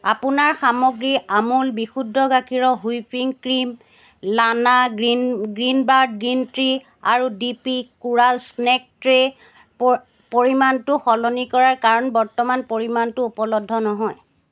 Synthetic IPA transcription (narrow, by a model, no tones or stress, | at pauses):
apunaɹxamɔɡɹiamulbixudʱːɔɡakʰiɹɔɦujpiŋkɹim | lanaɡiɡɹinbaɹd̚ɡɹintɹi | a̰ɹudipikuɹalsnɛk̚tɹe | p | poɹimantʊxɔlɔnikɔɹaɹkaɹɔnbɔɹtɔmanpoɹimantʊupɔlɔdʱːɔnɔɦɔj